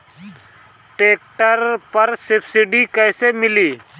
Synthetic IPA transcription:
ʈeːk̚ʈəɾpəɾsɪpʰsɪɖikɛjsemɪliː

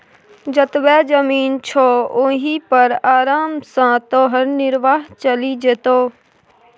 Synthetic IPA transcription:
d͡ʒət̪bɛːd͡ʒəmiːnt͡ʃʰoːʊɦipəɾaːɾaːmsãːt̪oːɦəɾnɪɾʋaːɦt͡ʃəlid͡ʒeːt̪oː

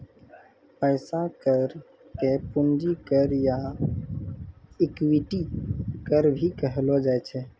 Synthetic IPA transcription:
pəɪsakəɾ | kepund͡ʒikəɾja | ɪkwiʈikəɾbʱikəɦlod͡ʒat͡ʃʰɛ

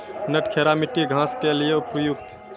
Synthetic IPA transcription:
nəʈkʰeɾamiʈiɡʱãskelijeupjuɡ̚t̪

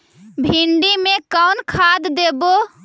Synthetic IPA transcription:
bʱiɳɖimekəwnkʰad̪ːebo

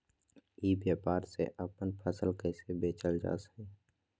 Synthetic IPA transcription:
iːbjaːpaːɾsḛʔəpənpʰəsəlkɛːsebeːt͡ʃəld͡ʒa̰ːsə̥i

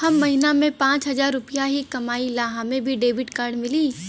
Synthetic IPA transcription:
hɐmːɐɦɪnamẽpãːt͡ʃɦɐzaːɾːʊpijaɦikɐmaːilaːɦãmẽbʱiɖeːʋɪʈkaːɾɖmɪliː

